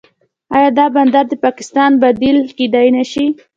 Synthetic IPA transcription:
ɑjɑd̪ɑband̪aɾd̪əpɑkɪ̥st̪ɑnbad̪ilkiɖ̪ɑjnaʃi

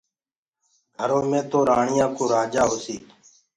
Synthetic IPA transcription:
ɡʱəɾoːmẽːt̪oːɾaːɳɪjãːkoːɾaːd͡ʒaːɦoːsiːk

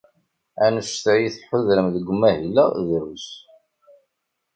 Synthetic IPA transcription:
ænəʃt̪ʕjiθħʊðɾəmðəɡʷːmːæhilæðɾus

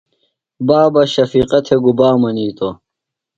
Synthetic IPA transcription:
baːbɐɕɐfiːqɐt̪ʰeɡubaːmɐniːt̪o

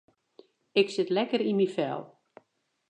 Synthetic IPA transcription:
ɪksɪtlɛkəɾimifɛ̰lˠ

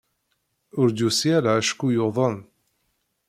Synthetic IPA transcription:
ʊɾd̪usjælʕæʃkujoðˤən

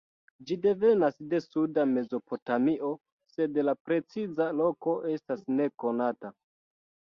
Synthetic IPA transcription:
d͡ʒide̞ve̞nasde̞sudame̞zo̞po̞tamiʔo̞ | se̞dlapɾe̞t͡sizalo̞ko̞ʔe̞stasne̞ko̞nata

